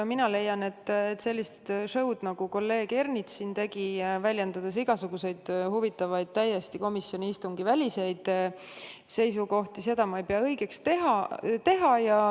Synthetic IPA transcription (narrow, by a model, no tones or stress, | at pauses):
minɑle̞jːɑne̞t̪ːet̪ːse̞lːist̪ʂɤ̞wd̪̥nɑɡ̥uko̞lːe̞ːɡ̥e̞rnit̪sint̪e̞ɡ̥ivælʲjend̪̥ɑd̪̥e̞s̬iɡ̥ɑsuɡ̥use̞jd̪̥huvit̪ːˑɑvɑjd̪̥̚t̪æje̞st̪iko̞misːjo̞nʲiist̪uŋɡ̥ivælʲise̞jd̪̥ | se̞jsuko̞ht̪ise̞d̪ɑmɑejpeɑɤjɡ̥e̞kst̪e̞ɦɑt̪e̞ɦɑjɑ